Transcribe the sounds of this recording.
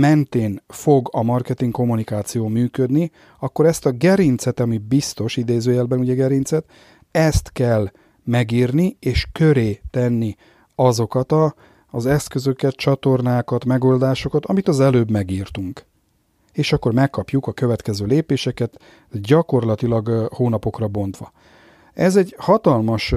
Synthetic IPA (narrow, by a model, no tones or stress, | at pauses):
mɛnt̪eːnfo̞ɡɒmɒrkɛt̪iŋɡko̞mːunikaːt̪sijoːmyːkød̪ni | ɒkːo̞ɾɛst̪ɒɡɛɾint̪sɛt̪ɒmibist̪o̞ʃid̪eːzøːjɛlbɛnuɟɛɡɛɾint̪sɛt̪ | ɛst̪kɛl | mɛɡiːrnieːʃkøɾeːt̪ɛnːi | ɒzo̞kɒt̪ɒː | zɛskø̞zø̞kɛt̪̚t͡ʃɒt̪o̞rnaːkɒt̪mɛɡo̞ːld̪aːʃo̞kɒt̪ɒmit̪ɒzɛløːbmɛɡiːrt̪uŋk | eːʃɒkːo̞rmɛkːɒpjukɒkø̞vɛt̪kɛzøːleːpeːʃɛkɛt̪ | ɟɒko̞rlɒt̪ilɒɡhoːnɒpo̞krɒbo̞nt̪ʋɒ | ɛzɛɟhɒt̪ɒlmɒʃ